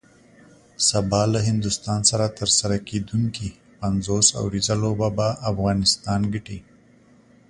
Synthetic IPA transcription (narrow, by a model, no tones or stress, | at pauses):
sabɑlaɦɪnd̪ʊst̪ɑnsaɾat̪əɾsaɾaked̪uŋki | panzosa̰wɾizalobabaʔːfɣɑnɪst̪ɑnɡəʈi